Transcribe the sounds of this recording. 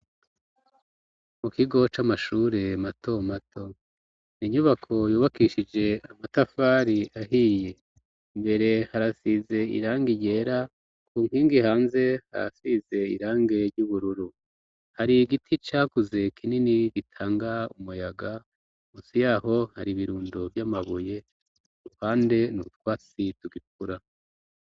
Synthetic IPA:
mukiɡo̞t͡ʃamaʃuɾe̞matʰo̞matʰo̞ | niɲuβakʰo̞juːβakiʃid͡ʒe̞amatafaːɾiaɦije̞ | mbe̞ɾe̞haɾasize̞ḭɾaːŋɡiɟe̞ːɾa | kuːŋiːŋɡihaːnze̞ha̰ɾa̰size̞ḭɾaːŋɡe̞ɾɟuβuɾuɾu | haɾiɡitʰit͡ʃaːkuze̞kʰininiɡitʰaːŋɡaumujaɡa | muːsijaːɦo̞haɾiβiɾuːndobjamaβuje̞ | uɾuhaːnde̞nuut̚waːt͡situɡik̚uɾa

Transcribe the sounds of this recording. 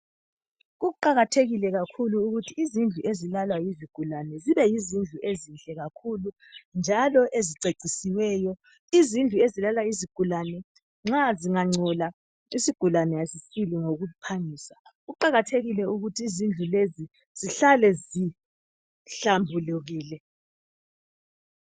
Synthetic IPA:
ɣuuǃaɣatʰeɣilɛɣakʰuluːɣutʰiːzind͡ɮʱuʔezilalwajiziɡ̥ʱulanɛziβɛjizind͡ɮʱuʔezinɬɛɣakʰulu | nd͡ʒʱalɔʔeziǀeǀʱisiwɛːjɔ | izind͡ɮʱuezilalwaiziɡ̥ʱulanɛ | ŋ͡ǁaziŋaŋ͡ǀɔla | isiɡ̥ʱulanɛjasisiliŋoɣupʰaŋiːsaɣuǃaɣatʰeɣilɛuɣutʰiːzind͡ɮʱulezi | z̥iɬalɛzi | ɬambʱuluɣiːlɛ

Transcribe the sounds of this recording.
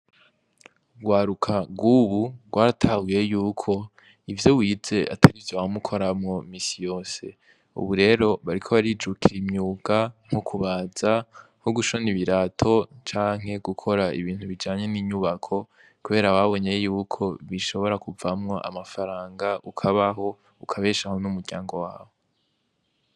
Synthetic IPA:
ɡwaːɾukʰaɡɡuːβuɡ̥waːɾatʰaɡuje̞juːkʰo̞ | ivjowiːze̞ʔa̰tʰaɾivjamukʰo̞ɾamŋo̞miːsijo̞ːse̞ | ṵβuɾe̞ːɾo̞βaɾikʰo̞βaɾid͡ʒukʰiɾimɲuɡ̥aŋ̥okʰuβaːz̥a | hoɡuʃoniβiɾaːtʰo̞t͡ʃaːŋ̥he̞ɡukʰo̞ɾaḭβiːn̥huβid͡ʒaːɲe̞niːɲuβakʰo̞ | kuβe̞ːɾaβaβo̞ɲejejuːkʰo̞βiʃo̞βo̞ɾakuvamŋo̞ʔa̰mafaɾaːŋɡaʔukʰaβaɦo̞ | ukʰaβe̞ːʃahonumuɾɟaːŋɡo̞waːw̞o

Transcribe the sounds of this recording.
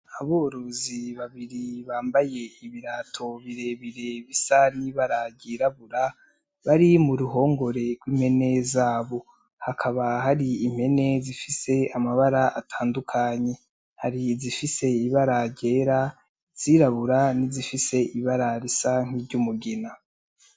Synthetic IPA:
aβoːɾoziβaβiɾiβaːmbaje̞iβiɾatʰo̞βiɾe̞βiɾe̞βisaniβaɾaɟiɾaβuɾa | βaɾimuɾuɦo̞ːŋɡo̞ɾe̞ɾɡwiːm̥he̞ne̞zaːβo̞ | hakʰaβaɦaɾiim̥he̞ne̞zifise̞amaβaɾaʔatʰaːndukʰaːɲe̞ | haɾizifise̞iβaɾaɟe̞ːɾa | z̥iɾaβuɾanizifise̞ʔiβaɾaɾisaŋ̥iːɾɟumuɡena

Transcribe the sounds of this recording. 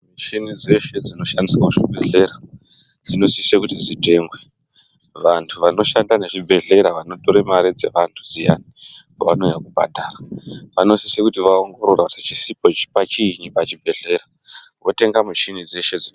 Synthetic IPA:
muʃinid͡ze̞ʃe̞d͡zino̞ʃandiswauʐibʱe̞ɮe̞ɾa | d͡zino̞sisekutid͡zite̞ŋɡwe | ʋantʰuʋano̞ʃandane̞ʐibʱe̞ɮe̞ɾaʋano̞toɾemaɾid͡ze̞̰ʋantʰud͡zija̰nikaʋano̞jakubʱa̰dʱaːraʋano̞sisekutiʋaoŋɡo̞ɾo̞rakutit͡ʃisipo̞t͡ʃi̥pat͡ʃiɲipat͡ʃibʱe̞ɮe̞ɾa | ʋo̞te̞ŋɡamuʃinid͡ze̞ʃe̞d͡zi

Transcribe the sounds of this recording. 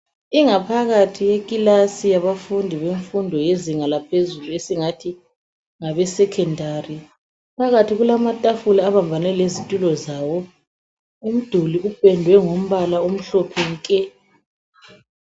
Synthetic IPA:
iŋapʰaɣatʰijekʼilasijaβafundʱiβeɱfundʱɔjeziŋalapʰezuluesiŋatʰi | ŋaβɛsɛkʰɛndʱari | pʰaɣatʰiɣulamatʼafulaːβambʱanɛlezitʼulɔzawɔ | um̩d̥ʱuliub̥ʱɛndʱwɛŋom̩βalaom̩ɬɔpʰɛŋkʼɛ

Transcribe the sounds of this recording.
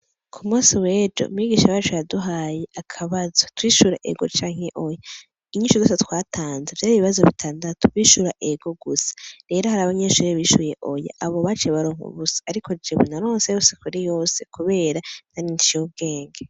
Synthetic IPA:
kʰumuːsiwe̞ːd͡ʒo̰ṵmiɡiːʃaβaːt͡ʃojaduɦaːje̞ʔakʰaβazotwiːʃuɾa̰ʔe̞̰ɡo̞̰t͡ʃaːŋ̥he̞ʔo̞ja | iɲiːʃuzoːsetwaːtʰaːnzeveɾiβiβazoβitʰaːndatʰoβiːʃuɾaʔeɡo̞ɡusḁɾe̞ːɾohaɾaːβaɲeʃuːɾiβiːʃuje̞ʔo̞ja̰ʔaβo̞βat͡ʃeβaɾoːŋṵβusḁaɾiko̞d͡ʒeβunaɾoːnsejose̥kuɾijo̞ːse̞kuβe̞ːɾan̥aninit͡ʃubɡe̞ːŋɡe

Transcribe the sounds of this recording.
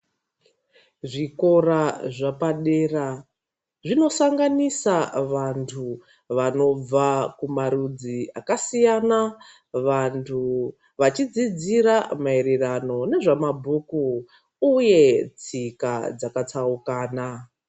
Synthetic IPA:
ʐiko̞raʐapaɗeːra | ʐino̞saŋɡanisaʋantʰu | ʋano̞b͡vakumaɾud͡ziakasijana | ʋantʰu | ʋat͡ʃid͡zid͡ziɾamaeɾerano̞ne̞ʐamabʱuku | uje̞t͡sikad͡zakatʰaukaːna

